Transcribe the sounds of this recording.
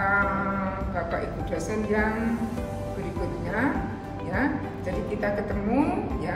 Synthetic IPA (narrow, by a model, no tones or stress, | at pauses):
a | kat̪aʔikudasənjaŋ | bəɾikʊt̪̚ɲa | ja | d͡ʒadikit̪akət̪əmuja